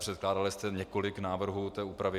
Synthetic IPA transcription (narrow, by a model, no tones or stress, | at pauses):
pr̥ɛt̪̚klaːdalɪst̪ɛɲɛko̞lɪknaːvr̩ɦuːt̪ɛːuːpɾavɪ